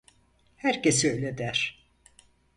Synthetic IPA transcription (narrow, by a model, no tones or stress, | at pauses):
hæɾcesøjlʲɛd̪æɾ̥